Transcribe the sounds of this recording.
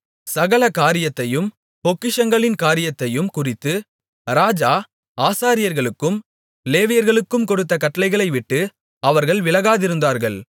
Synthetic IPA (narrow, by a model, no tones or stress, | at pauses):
sɐɣɐɭɐkaːɾɪjɐt̪ːɐjɯm | pɔkːɪʂɐŋɡɐɭɪnkaːɾɪjɐt̪ːɐjɯmkʊrɪt̪ːɯ | ɾaːd͡ʒaː | aːsaːɾɪjɐɾɣɐɭɯkːɯm | leːʋɪjɐɾɣɐɭɯkːɯmkɔɽɯt̪̬ːɐkɐʈːɐlɐɪɣɐɭɐɪʋɪʈːɯ | ɐʋɐɾɣɐɭʋɪɭɐɣaːðɪɾɯnd̪aːɾɣɐɭ